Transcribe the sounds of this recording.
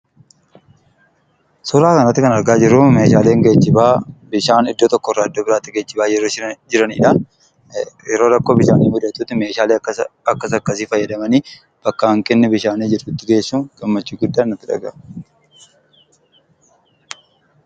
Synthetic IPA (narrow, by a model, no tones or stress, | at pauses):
sʊɾaːkɐnɐt̪ːɪkɐnɐɾɡaːd͡ʒɪɾʊme̞ːʃaːle̞ːŋɡeːt͡ʃːɪbaːbɪʃaːnɪd̪ːoːt̪ɔkːɔrːaːɪd̪ːoːbɪɾaːt̪ːɪɡeːt͡ʃːɪbaːd͡ʒɛɾoːd͡ʒɪɾɐnḭːᶑɐ | jɛɾo̞ːɾɐkːoːbɪʃaːniːmʊd̪ɐt̪uːt̪ːɪme̞ːʃaːleːɐkːɐsɐkːɐsiːfɐjːɐd̪ɐmɐniː | b̥ɐkːɐɐŋkʼɪnːɪbɪʃaːniːd͡ʒɪɾt̪ʊt̪ːɪɡeːsːuːɡ̥ɐmːɐt͡ʃːiːɡʊd̪ːaːnːɐt̪ːɪᶑɐ̰ɡɐ